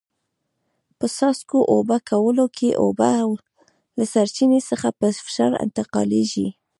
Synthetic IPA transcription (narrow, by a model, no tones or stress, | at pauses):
pəsɑskoʔobakʰawəlokʰeʔo̰baw | lasaɾt͡ʃinesəxapəfɪ̥ʃɑɾɪ̰nt̪ɪqɑ̰leʒi